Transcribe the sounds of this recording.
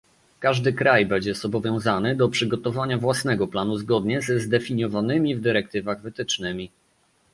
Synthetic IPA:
kaʐd̪ɘkɾajbɛɲd͡ʑɛzɔbɔvʲjɔ̃w̃zanɘd̪ɔpʂɘɡɔt̪ɔvaɲavwasnɛɡɔplanuzɡɔd̪ɲɛzzd̪ɛfʲiɲjɔvanɘmʲivd̪ɘɾɛk̚t̪ɘvaɣvɘt̪ɘt͡ʂnɘmʲi

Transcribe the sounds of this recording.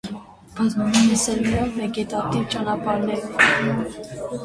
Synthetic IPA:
b̥ɑt͡snɛsɛlujɑvvɛɡɛt̪ɑt̪ivt͡ʃɑnɑpɑɾnɛɾɔ

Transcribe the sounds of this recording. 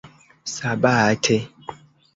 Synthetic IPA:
sabaatʰe

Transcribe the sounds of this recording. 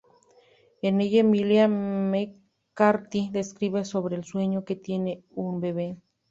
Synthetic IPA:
enejemileame | kaɾt̪id̪eskɾiβesoβɾelsweɲoket̪jene | umbeβe

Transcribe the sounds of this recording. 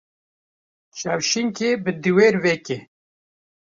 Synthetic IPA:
ʃawʃiŋkebɨd̪iweːɾveke

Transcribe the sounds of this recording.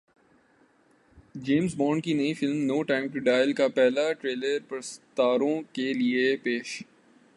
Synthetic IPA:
d͡ʒeːmzbɔ̃ːɳɖkinɐĩfɪlmnoːʈãːɪmʈuɖaːɪlkapɛɦlaʈɾeːləɾpɐɾst̪aːɾõkeliepeːʃ

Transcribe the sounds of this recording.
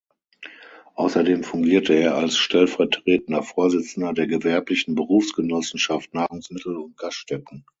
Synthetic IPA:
ʔaʊsɐdeːmfʊŋɡiːɐtʰəeːɐalsʃtɛlfɛɐtʁ̥eːtən̩dɐfoːɐzɪt͡sn̩dɐdeːɐɡəvɛɐplɪçn̩bəʁuːfsɡ̥ənɔsn̩ʃaftnaːʁʊŋsmɪtl̩ʊnt̚ɡ̥astʃtɛkn̩

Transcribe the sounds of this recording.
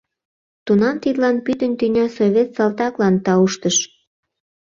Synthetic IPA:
t̪unɑmt̪it̪lɑnpyt̪ənt̪ynʲɑsoβʲet̪sɑlt̪ɑklɑnt̪ɑuʃt̪əʃ

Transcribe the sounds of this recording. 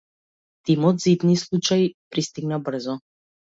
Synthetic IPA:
t̪imɔd̪zid̪nislˠut͡ʃaipɾist̪iɡnabr̩zɔ

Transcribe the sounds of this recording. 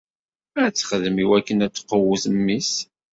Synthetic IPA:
æt͡sːχəðəmiwækːənæt͡sːqːəwəθəmːis

